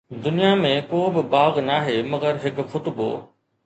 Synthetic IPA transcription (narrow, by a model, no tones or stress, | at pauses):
d̪ʊnijamẽkoːbɪbaːɣnaːɦemɐɣəɾɦɪkxʊt̪bo̰ː